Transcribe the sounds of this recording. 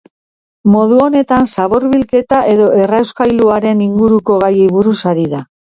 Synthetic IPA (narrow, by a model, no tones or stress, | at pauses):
mo̞ðuo̞ne̞t̪ansaβo̞ɾβilke̞t̪aʔe̞ðo̞ʔe̞rawskajluaɾe̞niŋɡuɾuko̞ɣajejβuɾusaɾiða